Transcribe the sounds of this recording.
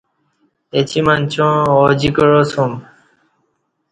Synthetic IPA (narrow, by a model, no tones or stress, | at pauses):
et͡ɕimant͡ɕõod͡ʑikəɻosʰõm